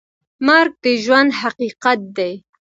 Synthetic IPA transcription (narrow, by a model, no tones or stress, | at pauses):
mɑɾk̚d̪əʒwand̪haqiqat̪̚d̪aj